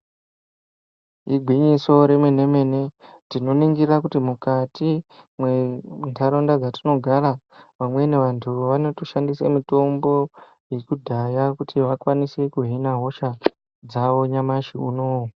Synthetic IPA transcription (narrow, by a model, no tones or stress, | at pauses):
iɡʱwiɲiso̞ɾe̞mwene̞me̞ne̞tino̞niŋɡirakutimukatimwentʰaɾo̞ndad͡zatino̞ɡʱaɾaʋamwe̞neʋantʰuʋano̞toʃandisḛmito̞mbo̞ | je̞kudʱajakutʰiʋakwanise̞kuɦinaɦo̞ʃa | d͡zaʋo̞ɲamaʃiunoːwo